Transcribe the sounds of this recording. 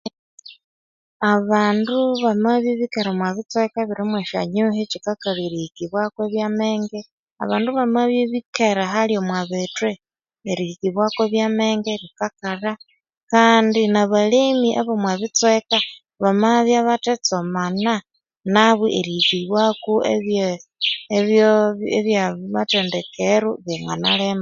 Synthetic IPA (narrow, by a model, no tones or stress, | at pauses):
aβaːnduβamaβjeβikeɾamwaβit͡swekaβiɾimweʃa̰ɲuɦet͡ʃikakaβiɾikiβwakweβjameːŋɡe | a̰βaːnduβamaβjeβikeɾaɦaljomwaβetwe | eɾikiβwakweβjameːŋɡeɾikakara | kaːndinaβalimiʔaβomwaβit͡sweka | βamaβjaβatet͡somana | naβwiʔeɾikiβwakueβjeeβjoeβjaβatendekeɾuβiŋɡanalema